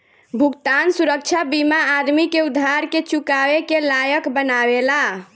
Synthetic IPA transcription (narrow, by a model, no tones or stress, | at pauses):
bʱukt̪ansuɾək̚t͡ʃʰabimaːɾmikeud̪ʱːaɾket͡ʃukawekelajəkbənawela